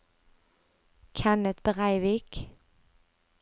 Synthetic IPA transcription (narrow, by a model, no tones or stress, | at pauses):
kʰænət̪bəʁæɪʋiːk